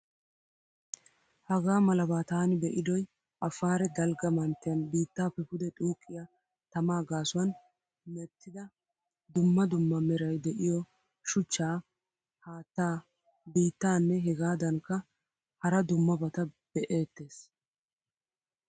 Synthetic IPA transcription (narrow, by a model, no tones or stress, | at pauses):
hɐɡaːmɐlɐbaːt̪aːnɪbɛʔɪd̪ɔj | ʔɐfːaːɾɛd̪ɐlɡɐmɐnt̪ːɪjɐnbiːt̪ːaːpɛpʊd̪ɛt̪ʼuːkʼːɪja | t̪ɐmaːɡaːsʊwɐn | mɛt̪ːɪd̪ɐ | d̪ʊmːɐd̪ʊmːɐmɛɾɐjd̪ɛʔɪjɔ | ʃʊt͡ʃːaː | haːt̪ːaː | biːt̪ːaːnːɛɦɛɡaːd̪ɐŋkːɐ | hɐɾɐd̪ʊmːɐbɐt̪ɐb̥ɛʔe̞ːt̪ːe̞ːs